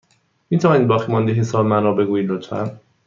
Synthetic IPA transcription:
mit̪ʰævɒnid̪bɒːximɔnd̪eɦisɒːbmænɔːbeɡuːilot̪ʰfæ̰m

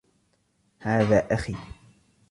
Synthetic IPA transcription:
haːðaːʔaxiː

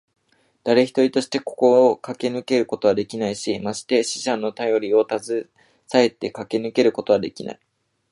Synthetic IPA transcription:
d̪̥aɾe̞çʲi̥t̪o̞ɾʲit̪o̞ɕi̥t̪e̞ko̞̥ko̞kake̞nɯ̟ke̞ɾɯ̟ko̞t̪o̞βad̪e̞kʲinaiɕimaɕi̥t̪e̞ɕi̥ʑãnːo̞t̪ajo̞ɾʲio̞t̪azɨ | sae̞t̪e̞kake̞nɯ̟ke̞ɾɯ̟ko̞t̪o̞β̞ad̪e̞kʲina̰i

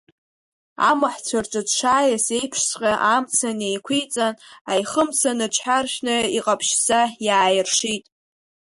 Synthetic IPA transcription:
a̰maħt͡sʷʰarʈ͡ʂʷʼɨdʂaːjasejpʰʂsqʲʼaʔamt͡sʰanejkʷʰijt͡sʼanajχəmt͡sʰanɨt͡ʃʰħarʃʲᶣnɨiqʼapʰʃzajaːjɪrʂitʼ

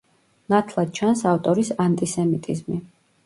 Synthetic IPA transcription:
nat̪ʰlˠad̪̥̚t͡ʃʰansaft̪ʼɔɾisant̪ʼisɛmit̪ʼizmi

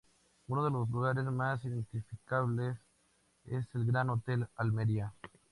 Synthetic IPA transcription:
unoð̞elozluɣaɾezmasiðent̪ifikaβles | ese̞lɡɾanot̪elalmeɾia

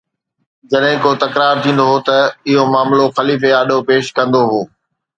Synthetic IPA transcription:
d͡ʑɐɗɦɪ̃koːt̪ɐkɾaːɾt̪ʰĩːn̆d̪oɦot̪ɐɪɦomaːmloxɐliːfeaːɗʱopeːʃkɐ̃nd̪oɦoː

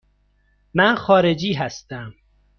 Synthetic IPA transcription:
mænxɒːɾed͡ʒiːɦæst̪æm

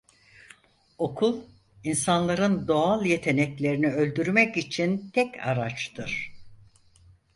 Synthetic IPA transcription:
o̞kʰulˠ | insanlˠaɾɯnd̪o̞alˠje̞t̪ʰe̞nɛclʲe̞ɾiniø̞lʲd̪yɾmɛcit͡ʃʰint̪ʰɛcʰa̰ɾat͡ʃt̪ʰɯɾ̥

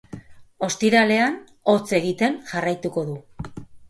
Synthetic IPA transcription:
o̞st̪iɾale̞an | o̞t͡se̞ɣit̪e̞nʝarajt̪uko̞ðu

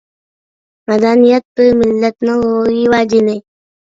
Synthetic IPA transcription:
mɐd̪anijɐt̪mɪlːɐt̪nɐɦoiwaːd͡ʒine

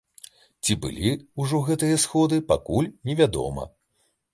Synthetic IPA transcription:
t͡sʲibɨ̰lʲiuʐɔɣɛt̪ɨjɐsxɔd̪ɨpakulʲnʲɛvʲad̪ɔ̰mɐ̰

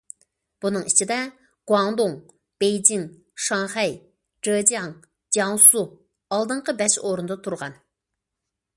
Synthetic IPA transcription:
b̥unɨŋit͡ʃʰid̪ɛ | ɡ̥wɑŋd̪oŋ | b̥ejd͡ʒiŋ | ʃɑŋχɛj | d͡ʒəd͡ʒijɑŋ | d͡ʒjɑŋsu | ɑlˠd̪ɨɴqəbɛʃoɾund̪ɑt̪ʰuɾʁɑ̰n

